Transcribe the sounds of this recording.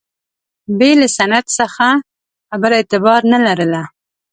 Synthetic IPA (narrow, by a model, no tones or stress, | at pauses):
belasanad̪səxa | abəɾet̪ɪbɑɾnalaɾəla